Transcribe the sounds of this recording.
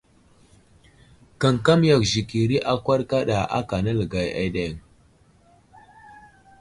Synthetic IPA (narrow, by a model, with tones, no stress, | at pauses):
ka˨ŋka˦m˦ja˨kʒi˨ki˨ɾi˦ʔa˦kʷa˦ɾka˦ɗa˨ʔa̰˦ka˨na˦lə˨ɡa˨ja̰˦ɗe˦˨ŋ